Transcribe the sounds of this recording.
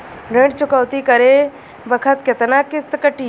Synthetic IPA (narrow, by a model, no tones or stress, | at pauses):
ɾeɳɖt͡ʃʊkəwt̪ikɐɾe | bɐkʰət̪kɐt̪nakɪst̪kəʈiː